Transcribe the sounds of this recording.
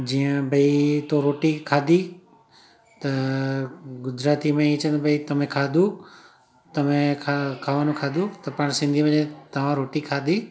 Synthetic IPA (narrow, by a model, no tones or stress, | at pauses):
d͡ʑiːə̃bʱɐit̪oɾoːʈikʰaːd̪ʱi | t̪ɐ | ɡʊd͡ʒɾaːt̪imẽĩt͡ʃʰə̃nd̪bʱɐit̪ɐm̤ẽkʰaːd̪ʱu | t̪ɐmẽkʰakʰaːʋanũkʰaːd̪ut̪ɐpɐɽ̃sɪ̃nd̪ʱimẽd͡ʑẽt̪ɐʋ̤ãɾoːʈikʰaːd̪i